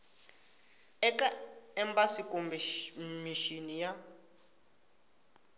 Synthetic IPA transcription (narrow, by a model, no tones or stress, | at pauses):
ɛkaɛmbasikombmiʃinija